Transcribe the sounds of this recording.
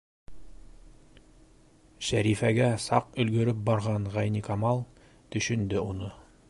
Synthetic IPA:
ʃæɾifæɡæsɑqɵ̆lɡɵ̆ɾɵp̚bɑɾʁɑɴʁæjnikɑmɑlˠ | t̪ɵ̆ʃɵ̆nd̪ɘunɤ

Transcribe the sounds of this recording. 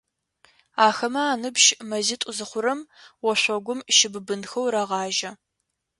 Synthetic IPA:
aːxɐmɐaːnɨbʃmɐzɪtʼʊzɨχʷʊɾɐmwɔɕʷɔɡʷʊmʃɪbbɨnxɐwɾɐʁɑːʒɐ

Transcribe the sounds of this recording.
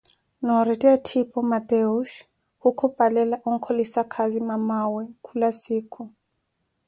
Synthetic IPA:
nɔɾɛtɛatʰipʰɔmat̪ɛuʃ | hukʰɔpalɛlaʔuŋ̩kʰɔlisakʰazimamawɛkʰulasiːkʰu

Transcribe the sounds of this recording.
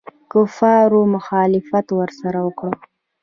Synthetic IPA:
kʊfɑɾomʊxɑlɪfat̪wəɾsaɾawəkɽə

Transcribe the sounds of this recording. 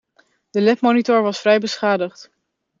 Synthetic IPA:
d̥əlɛpmonitʊɹʋɑsfrɛjbəsχaːdəχt

